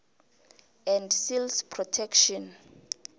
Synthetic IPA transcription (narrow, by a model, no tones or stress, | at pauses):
ɛ̃ndsilspʰrɔtʰɛkʃɔ̃n